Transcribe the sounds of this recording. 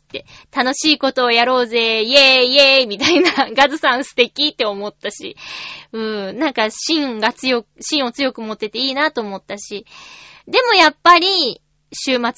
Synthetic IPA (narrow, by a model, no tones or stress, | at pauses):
t̪ːe̞ | t̪ano̞ɕiːko̞t̪o̞ːjaɾo̞ːze̞jejemʲit̪ainaɡazɨsãɰ̃sɨ̥t̪e̞kʲit̪ːe̞o̞mo̞t̪ːaɕḭɯ̟̃ːnãŋkaɕĩŋɡat͡sɨjo̞kɕĩɰ̃o̞t͡sɨjo̞kɯ̟mo̞t̪ːe̞t̪e̞iːnat̪o̞ːmo̞t̪ːaɕid̪e̞mo̞japːaɾʲi | ɕɨːmat͡s